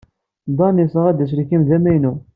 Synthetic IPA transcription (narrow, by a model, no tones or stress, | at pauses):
d̪ˤɑnisəʁæd̪æʃ̬ɾikːimðæmæjnu